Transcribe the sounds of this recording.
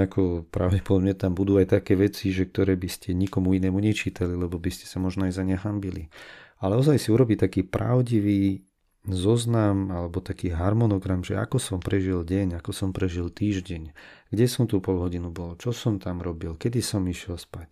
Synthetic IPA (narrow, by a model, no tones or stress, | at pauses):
akʰɔpɾaʊɟɛpɔd̪ɔbɲat̪ambud̪uːajt̪akɛːʋɛt͡siʒɛk̚t̪ɔɾɛːbiscɛɲikɔmuinɛːmuɲɛt͡ʃiːt̪alilɛbɔbiscɛ̥samɔʒnɔajzaɲɛɦambilialɛɔzajsiuɾɔbiːt̪akiːpɾa̰ʊɟiʋiː | zɔznamalɛbɔt̪akiːɦaɾmɔnɔɡɾamʒɛa̰kɔsɔmpɾɛʒilɟɛɲakɔsɔmpɾɛʒilt̪iːʒɟɛɲɡ̥ɟɛsɔmt̪uːpɔlɦɔɟinubɔlɔt͡ʃɔsɔmt̪amɾɔbilkɛd̪isɔmiʃɪɛlspac